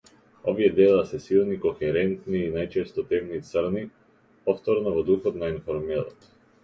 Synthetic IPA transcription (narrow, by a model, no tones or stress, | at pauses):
ɔviɛd̪ɛlˠasɛsilˠnikɔxɛɾɛnt̪niːnajt͡ʃɛst̪ɔt̪ɛmnit̪sɾni | pɔft̪ɔɾnɔvɔd̪uxɔt̪nainfɔɾmɛlˠɔ̰t̪